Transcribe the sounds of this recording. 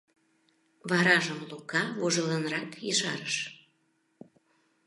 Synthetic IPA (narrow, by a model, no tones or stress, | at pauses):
βɑɾɑʒəmlukɑβoʒələnrɑkjəʃɑ̰ɾəʃ